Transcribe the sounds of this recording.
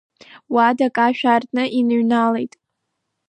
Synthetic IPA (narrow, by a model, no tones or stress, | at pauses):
wadakʼaʃᶣartʼnɨʔinɨɥnale̞jtʼ